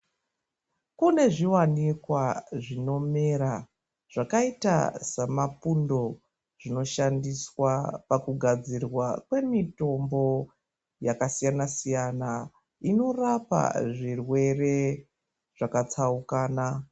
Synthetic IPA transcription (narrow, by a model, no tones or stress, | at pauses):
kune̞ʐiwanikwaʐino̞meɾa | ʐ̥akaita̰samapundo̞ | ʐ̥ino̞ʃandiswapakuɡʱad͡zirwakwe̞mito̞mbo̞ | jakasijanasijana | ino̞rapa̰ʐirwe̞re̞ | ʐ̥akat͡saukaːna